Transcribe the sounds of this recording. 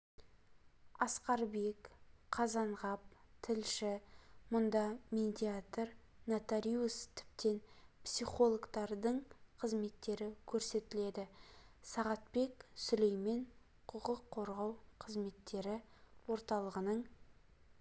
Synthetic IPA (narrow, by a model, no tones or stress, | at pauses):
ɑsqɑɾbe̞kqʰɑzɑɴʁɑp̚t̪ʰɪlʃɪmʊnd̪ɑmed̪ʲiat̪r | nat̪aɾʲiust̪ʰɪ̥p̚t̪ʰe̞npsiχo̞lˠokt̪ɑɾd̪əɴqʰəzme̞t̪ːe̞ɾɪkʲʰɵɾse̞t̪ɪle̞d̪ɪsɑʁɑt̪̚pe̞ksʏle̞jme̞ɴ | qʰʊqəqʰːo̞ɾʁɑwqʰəzme̞t̪ːe̞ɾɪwo̞ɾt̪ɑlˠəʁənəɴ